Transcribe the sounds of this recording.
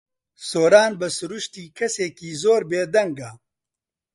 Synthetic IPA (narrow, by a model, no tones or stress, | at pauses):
soːɾaːnbɨsʊɾuʃt̪iːkʰɐseːkiːzoːɾbeːd̪ɐŋɡa